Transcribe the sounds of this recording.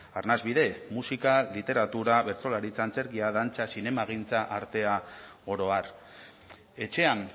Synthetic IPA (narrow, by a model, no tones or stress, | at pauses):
arnazβiðe̞musikalit̪e̞ɾat̪uɾaβe̞ɾt͡so̞laɾit͡sant͡se̞ɾɣiaðant͡sasine̞maɣ̞int͡saʔaɾt̪e̞aɣo̞ɾo̞ar | e̞t͡ʃe̞an